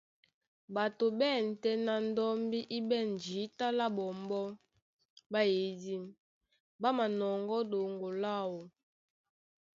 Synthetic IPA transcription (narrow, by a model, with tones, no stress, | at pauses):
ba˨to˨bɛ˦˨n̩˨tɛ˦na˨n˦dɔ˦mbi˦ʔi˦bɛ˦˨n˨d͡ʒi˨˦ta˦la˦bɔ˨mbɔ˦ | ba˦je˨˦di˦m | ba˦ma˨nɔ˨ŋɡɔ˦do˨ŋɡo˨la˦˨wo˨